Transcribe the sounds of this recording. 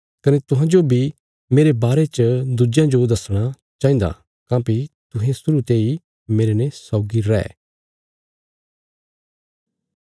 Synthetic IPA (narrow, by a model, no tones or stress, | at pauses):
kɐnet̪ʊɦãd͡ʒobʱi | meːɾebaːɾet͡ʃd̪ud͡ʒjãd͡ʒod̪ɐsɽ̃a | t͡ʃãːĩːnd̪a̰ | kãːpit̪ʊɦẽsʊɾut̪ei | meːɾenesɔːɡiɾɛ̰ː